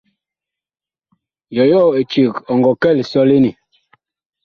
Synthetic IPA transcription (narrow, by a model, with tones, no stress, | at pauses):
jɔ˨jɔ˦˨e˨t͡ʃi˨kɔ˨ŋɡɔ˨kɛ˦˨li˨sɔ˦le˦ni˨